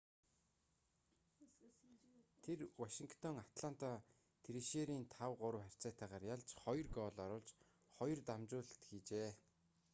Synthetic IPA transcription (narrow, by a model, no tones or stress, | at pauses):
t̪ʰerwaʃiŋkt̪ʰɔŋat̪ɮan̥t̪a | t̪ʰeɾiʃeːɾiːnt̪ʰawɢʊɾə̆wχær̥ʲt͡sæːt̪ʰæːʁaːrjaɮt͡ɕχɔj̆rɡɔːɮɔɾʊːɮt͡ɕ | χɔj̆rt̪amt͡ɕʊːɮt̪ɡit͡ɕeː